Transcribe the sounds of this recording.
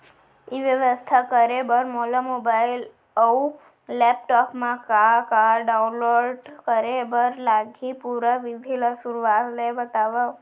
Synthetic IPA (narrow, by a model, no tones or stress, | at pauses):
iʋjəʋəst̪ʰakəɾebəɾmoləmobail | əu | lɛp̚ʈɔpmãkakaɾɖaunloɖkəɾebəɾlaɡʱipuɾaʋid̪ʱilasuɾuʋaɾlebət̪aʋa